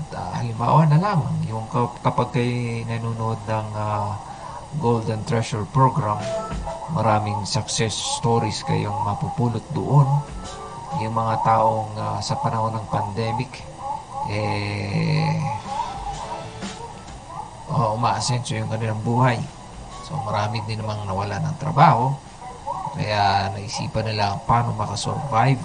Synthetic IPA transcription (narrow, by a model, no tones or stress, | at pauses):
ʔat̪ɐ̰ʔɐ̰lɪmba̰ːwɐnɐlaːmaŋjʊŋkɐkɐpaɡ̚kɐjnɐnunʔod̪̚nɐŋa | ɡold̪ɛnt̪ɾɛʃɛɹpɹoɡɾamː | ɐɾaːmɪŋsɐk̚sɛst̪oːɾiskɐ̰joŋmɐpupuːlʊt̪̚d̪oʔon | jʊŋmɐŋat̪aːʔo̞ŋasɐpɐnɐho̞nɐŋpɐnd̪ɛːmɪk | ʔɛ | ʔoʔʊmaːʔɐsɛnsojʊŋkɐnɪlaŋbuːhaj | so̞̰mɐɾaːmɪd̪ɪnɐmaŋnɐwɐlanɐŋt̪ɾɐ̰baːho̞ | kɐ̰jaʔnɐʔɪsḭːpɐnɪlaɐŋpaːnomɐkaso̰ɾvajv